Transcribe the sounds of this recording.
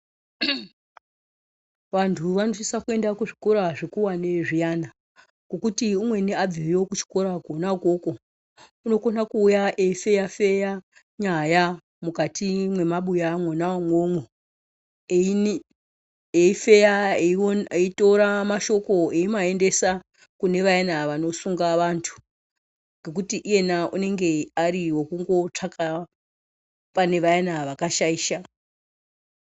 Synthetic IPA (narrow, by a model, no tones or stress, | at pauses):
ʋantʰuʋanosisakue̞ndakuʐiko̞ɾaʐekuwane̞ʐijana | ko̞kutiumwe̞neab͡viwiɾokut͡ʃi̥ko̞ɾaɡʱonakoko̞ | uno̞konakuːjaʔeife̞jafe̞ja | ɲaja | mukatʰimwe̞maɓujamwonawamwomwe | eife̞jaeeito̞ɾamaʃo̞ko̞eimae̞nde̞sa | kune̞ʋajanaʋano̞suŋɡaʋantʰu̥ | ŋɡe̞k̬utiʔije̞naune̞ŋɡe̞aɾiwokuŋɡo̞t͡ʂakʰa | pane̞ʋajanaʋakaʃaiːʃa